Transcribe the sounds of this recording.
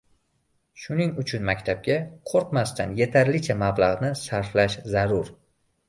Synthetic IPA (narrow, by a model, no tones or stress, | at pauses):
ʃʊnɪŋʊt͡ʃʰʊnmakʲt̪ʰab̚ɡʲaqʰoɾqmast̪ʰanje̞t̪ʰaɾlɪt͡ʃʰamablˠaʁnɪsaɾflaʃzaɾʊɾ